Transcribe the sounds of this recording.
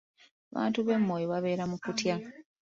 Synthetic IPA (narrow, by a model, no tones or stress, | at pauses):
aβa̰ːntuβe̞mːo̞ːjoβaβe̞ːɾamukutja